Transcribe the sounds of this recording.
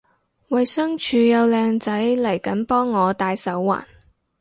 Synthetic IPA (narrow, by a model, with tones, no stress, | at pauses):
wɐ˨jsœː˥ŋt͡ʃʰyː˨˧jɐ˨˧wlɛː˧ŋt͡sɐ˨˥jlɐ˨˩jkɐ˨˥npɔː˥ŋːɔː˨˧t̪aː˧jsɐ˨˥wːa̰ː˨˩n